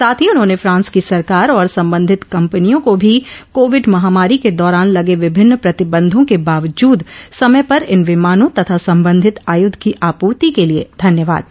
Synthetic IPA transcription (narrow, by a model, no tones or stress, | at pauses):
saːt̪ʰiʊnɦõːnefʰɾãːnskisɐɾkaːɾɔːɾsɐ̃mbə̃nd̪ʱɪt̪kɐ̃mpənijõkobʱikoːʋɪɖmɐɦaːmaːɾiked̪ɔːɾaːnlɐɡeʋɪbʱɪnːpɾɐt̪ɪbə̃nd̪ʱõkebaːʋd͡ʒuːd̪sɐməpɐɾɪnʋɪmaːnõt̪ɐt̪ʰasɐ̃mbə̃nd̪ʱɪt̪aːjʊd̪ʱkiʔaːpuːɾt̪ikeliḛd̪ʱɐnjəʋa̰ːd̪̚